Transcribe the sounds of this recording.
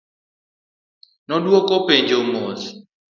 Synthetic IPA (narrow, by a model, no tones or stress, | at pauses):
nɔdwɔkɔpeɲd͡ʒomos